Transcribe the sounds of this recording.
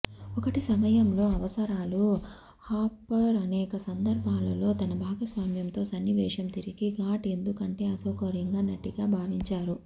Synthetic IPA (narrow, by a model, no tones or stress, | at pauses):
ɔkɐʈisɐmɐjɐmlo̞ːɐʋɐsɐɾaːlu | haːpːɐɾɐnɛːkɐsɐnd̪ɐɾbʱaːlɐlo̞ːt̪ɐnɐbʱaːɡɐsʋaːmjɐnt̪o̞ːsɐnːiʋɛːʂɐmt̪iɾiɡiɡaːʈe̞nd̪ukɐɳʈe̞ːɐsɐːkɐɾjɐŋɡaːnɐʈːiɡaːbʱaːʋiɲt͡ʃaːɾu